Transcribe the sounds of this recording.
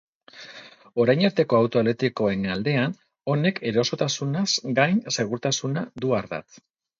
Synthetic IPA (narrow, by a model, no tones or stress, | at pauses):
o̞ɾajɲaɾt̪e̞ko̞awt̪o̞elet̪iko̞e̞ŋald̪e̞an | o̞ne̞kʰe̞ɾo̞so̞t̪asunasɡajnse̞ɣ̞uɾt̪asunad̪uaɾða̰t̪